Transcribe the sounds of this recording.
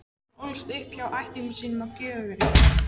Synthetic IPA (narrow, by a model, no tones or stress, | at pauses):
olst̪ɪhpçawʔajht̪ɪŋsiːnʏmawcœːɣʏvɪɾɪ